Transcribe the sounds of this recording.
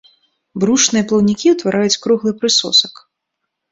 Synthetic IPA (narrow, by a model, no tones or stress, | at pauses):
bɾuʂnɨjɐplˠɐwnʲikʲiwt̪vaɾʔajut͡sʲkɾuɣlˠɨpɾɨsɔ̰sɐk